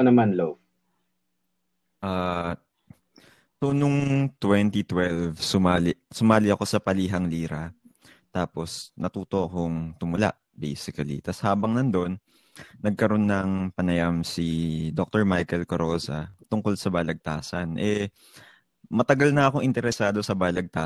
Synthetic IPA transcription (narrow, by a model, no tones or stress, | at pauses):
nɐmanlow | ʔa | sonʊŋt̪wɛnt̪it̪wɛlvsʊmaːlɪsʊmaːlɪɐko̞sɐpɐliːɦɐŋliːɾɐ | t̪aːpo̞snɐt̪uːt̪o̞ʔɐko̞ŋt̪ʊmʊla̰ʔ | bḛjsɪkɐlḭt̪ɐshaːbɐŋnɐnd̪o̞nː | ɐɡ̚kɐɾo̞nːɐŋpɐnɐjamsid̪ok̚t̪oɹmajkɛlkɐɾoːsɐ̰t̪ʊŋko̞lsɐbaːlɐɡ̚t̪aːsɐnʔɛ | mɐt̪ɐɡalnɐɐko̞ŋʔɪnt̪ɛɾɛsaːd̪o̞sɐbaːlɐɡ̚t̪a